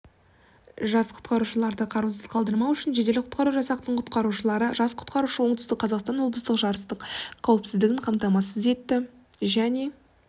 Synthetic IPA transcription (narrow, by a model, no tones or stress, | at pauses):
ʒɑsqʰʊ̥t̪qɑɾuʃəlˠɑɾd̪əqʰɑɾusəzqʰɑlˠd̪əɾmɑwʏʃɪnʒe̞d̪e̞lɪqʰʊ̥t̪̚qɑɾuʒɑsɑq̚t̪əɴqʰʊ̥t̪qɑɾuʃəlˠɑɾəʒɑsqʰʊ̥t̪qɑɾuʃəwo̞ɴd̪əst̪əqʰːɑzɑqst̪ɑnwlˠbəst̪əqʒɑɾəst̪əqqʰːɑwɪpsɪzd̪ɪɡʲɪɴqʰɑmt̪ɑmɑsəze̞t̪ːɪ | ʒæne̞